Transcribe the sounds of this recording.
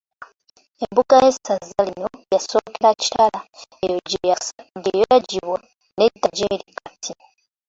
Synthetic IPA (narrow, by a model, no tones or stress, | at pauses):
embuɡajesazːalino̞jasoːkeɾaci̥talaejoɟejaɟejojaɟiβwa | ne̞daɟeːɾikʰatʰi